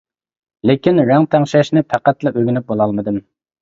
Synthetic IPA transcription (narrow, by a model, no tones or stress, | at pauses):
lekʲinɾæŋt̪ʰæŋʃɛʃnɪp̪ʰæqæt̪lɛʔøɡʲynyp̚bolˠɑlˠmɨd̪ɨm